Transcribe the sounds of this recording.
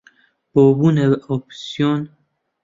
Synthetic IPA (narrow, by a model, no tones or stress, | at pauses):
b̥obuːneopsijon